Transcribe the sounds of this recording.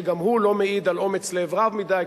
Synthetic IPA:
ɡamhulo̞meid̪alo̞met͡sleːvʁavmid̪aj

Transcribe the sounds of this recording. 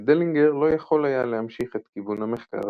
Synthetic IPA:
d̪eliŋɡeʁlo̞jaχo̞lajalehamʃiχet̪kivunameχka̰ʁ

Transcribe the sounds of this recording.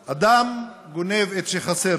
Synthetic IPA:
ad̪am | ɡonevet̪ʃeχaseɾ

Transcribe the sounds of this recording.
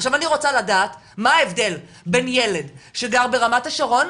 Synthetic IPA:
χʃavaniʁo̞t͡saladaːt | maaevde̞l | benjele̞dʃeɡaʁbe̞ʁamataʃaʁo̞n

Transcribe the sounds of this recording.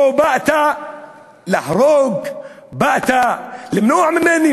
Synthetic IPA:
baʔt̪a | laħɾˤoːɡbaʔt̪alɪmnuːʕmɪnʔeni

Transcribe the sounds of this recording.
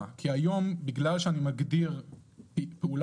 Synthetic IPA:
kʰiajo̞mbiɡlalʃeanimaɡdiʁ | peul

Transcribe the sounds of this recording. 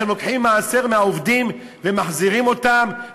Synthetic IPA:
emlokħimːaːse̞ʁmeaovd̪im | vemaχziʁimo̞t̪am

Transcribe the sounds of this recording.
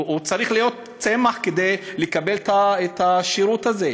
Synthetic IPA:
ut͡saʁiχlijo̞t̪̚ | t͡semaχked̪e̞jlekabe̞let̪aet̪aʃiɾut̪aze

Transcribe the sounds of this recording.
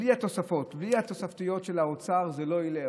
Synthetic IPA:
lihat̪o̞safo̞t̪bliat̪o̞saft̪ijo̞tʃe̞laot͡saʁzelo̞ile

